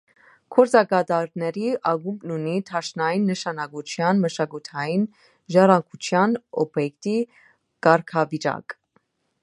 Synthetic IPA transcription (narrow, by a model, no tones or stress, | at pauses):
kʰɔɾt͡sɑkɑt̪ɑɾnɛɾiʔɑɡumbnunit̪ʰɑʃnɑjinːəʃɑnɑkut͡ʃʰjɑnməʃɑkut̪ʰɑjin | ʒɑɾɑŋkʰut͡ʃʰjɑnɔ̰bjɛkt̪i | kɑɾkʰɑvit͡ʃɑ̰k